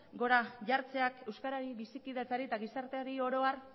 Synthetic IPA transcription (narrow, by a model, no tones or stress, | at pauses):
ɡo̞ɾaʝaɾt͡se̞ake̞wskaɾaɾiβisikiðet͡saɾit̪aɣisaɾt̪eoɾio̞ɾo̞ar